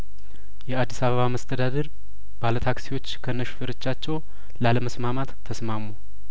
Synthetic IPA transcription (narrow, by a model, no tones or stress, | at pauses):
jɛad̪ːisaβəβaməst̪ʰəd̪ad̪əɾ | balət̪ʰaksiwo̞t͡ʃːkʰənːəʃfɨɾɨt͡ʃːat͡ʃːɛw | laləməsmamat̪ʰːəsmamo